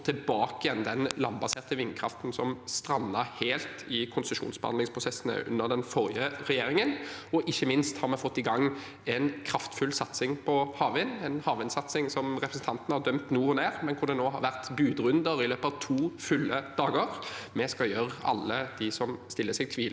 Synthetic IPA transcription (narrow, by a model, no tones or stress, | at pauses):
t̪ʰɪbɑːkɪjɛnd̪ɛnlɑnbɑseːʁt̪əʋɪnkʰɾɑ̰ft̪nsɔmst̪ɾɑnːəɾheːlt̪ʰɪkʰʊnsəʂṵːnsbəhɑ̰d̪ɪŋspʰʁʊsɛsnə̰ʔʉ̰nːəʁd̪ɛnfɔɾɪəʁɛjeːɾɪŋənɔʔɪçːəmɪnst̪hɑɾmɛfɔt̪ːɪɡɑŋː | ɛnkʰɾɑft̪fʉlsɑt̪sɪŋpʰɔhɑːʋɪnɛnhɑːʋɪnsɑt̪sɪŋsɔmʁɛpʰɾəsn̩t̪ʰɑnt̪ənəhɑd̪œmt̪nuːɔneːʁmɛnkʰʊɾd̪ɛnoːɦɑɾʋæʁt̪bʉːd̪ʁʉnd̪əɾɪløːpəɑʋt̪ʰuːfʉlːəd̪̥ɑːɡəʁmɛskɑjœɾɑ̰lːəd̪̥ɪsɔmst̪ɪlːəsɛɡ̚t̪ʰʋiːl